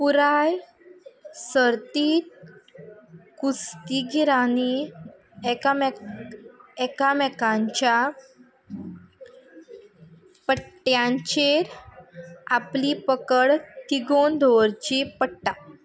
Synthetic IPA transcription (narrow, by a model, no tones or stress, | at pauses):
puɾaj | səɾt̪iːt̪̚ | kust̪iɡiɾani | ɛkam | ɛkamɛkãɲt͡ɕja | pəʈjãɲt͡ɕeɾ | aplipəkəɽkiɡond̪ʱoɾt͡ɕipəɽʈa